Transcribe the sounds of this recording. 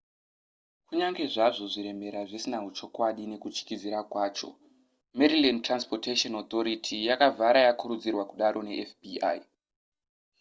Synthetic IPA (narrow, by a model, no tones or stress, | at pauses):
kuɲaŋɡe̞ʐaʐo̞ʐiɾe̞me̞ɾaʐisinaɦut͡ʃo̞kwaɗine̞kut͡ʃi̥kid͡ziɾakwaːt͡ʃo̞̰ | meɾilentranspoteʃonot̪o̞ɾitʰijakavʱaɾajakuɾud͡zirwakuɗaɾo̞ne̞ʔefbia̰ji